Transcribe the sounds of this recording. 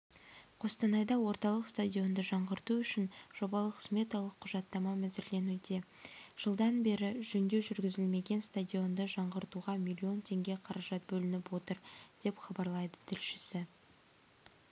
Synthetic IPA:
qʰo̞st̪ɑnɑjd̪ɑwo̞ɾt̪ɑlˠəqst̪adʲijo̞nd̪əʒɑɴʁəɾt̪uʏʃɪnʒ̥o̞bɑlˠəqsmʲe̞t̪ɑlˠəqʰːʊʒɑt̪ːɑmɑmæzɪɾle̞nud̪e̞ | ʒ̥əlˠd̪ɑnbe̞ɾɪʒʏnd̪e̞ʒʏɾɡʲɪzɪlme̞ɡʲe̞nst̪ad̪ʲijo̞nd̪əʒɑɴʁəɾt̪uʁɑmʲilʲio̞nt̪ʰe̞ŋɡʲe̞qʰɑɾɑʒɑt̪̚bɵlɪnɪpwo̞t̪əɾd̪̥e̞pχɑbɑɾlˠɑjd̪ə̥t̪ʰɪlʃɪsɪ

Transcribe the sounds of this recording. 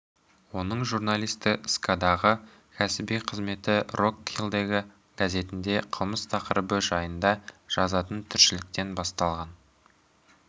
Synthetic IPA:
wo̞nəɴʒuɾnalˠijst̪ɪʔskad̪ɑʁə | kʲʰæsɪbijqʰəzme̞t̪ɪrokːilˠd̪e̞ɡʲɪ | ɡ̥aze̞t̪ɪnd̪e̞qʰəlˠməst̪ʰɑqəɾəbəʒɑjənd̪ɑʒ̥ɑzɑt̪ənt̪ʰʏɾʃɪlɪk̚t̪e̞nbɑst̪ɑlˠʁɑn

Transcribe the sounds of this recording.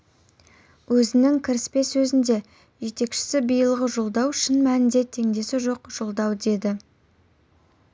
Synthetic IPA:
wɵzɪnɪŋkʲʰɪɾɪspe̞sɵzɪnd̪e̞ | ʒe̞t̪e̞kʃɪ̥sɪbijəlˠʁəʒolˠd̪ɑwʃɪnmænɪnd̪e̞t̪ʰe̞ŋd̪e̞sɪʒo̞qʒ̥olˠd̪ɑwd̪e̞d̪ɪ

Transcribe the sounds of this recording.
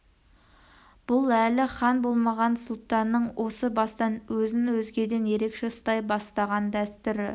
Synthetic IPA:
b̥ʊlˠælɪχɑnbo̞lˠmɑʁɑnsʊlˠt̪ɑnːəɴwʔo̞səbɑst̪ɑnwɵzɪnwɵzɡʲe̞d̪e̞nje̞ɾe̞kʃe̞ʊst̪ɑjbɑst̪ɑʁɑnd̪æst̪ʏɾɪ

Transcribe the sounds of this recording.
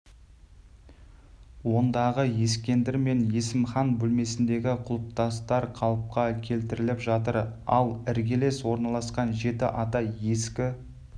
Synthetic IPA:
wo̞nd̪ɑʁəje̞skʲe̞nd̪ɪɾme̞nje̞sɪmχɑnbɵlme̞sɪnd̪e̞ɡʲɪqʰʊlˠəp̚t̪ɑst̪ɑɾqʰɑlˠəp̚qɑkʲʰe̞lt̪ɪɾɪlɪpʒɑt̪əɾɑ̰lˠɪɾɡʲe̞le̞swo̞ɾnɑlˠɑsqɑnʒe̞t̪ɪʔɑt̪ɑje̞skʲɪ

